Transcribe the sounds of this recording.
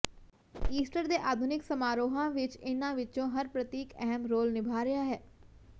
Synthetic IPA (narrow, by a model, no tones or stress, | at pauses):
iːsʈəɾd̪eːʔaːd̪ʱʊnɪksəmaːɾoːɦãːʋɪt͡ʃɪnãːʋɪt͡ʃõːɦəɾpɾət̪iːkɛɦəmɾoːlnɪbʱaːɾɪjaːɦɛː